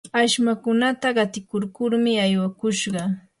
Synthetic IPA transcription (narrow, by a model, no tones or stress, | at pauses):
aʃmakʊnat̪aɢɑt̪ɪkoɾkʊɾmɪajwakʊʃɢɑ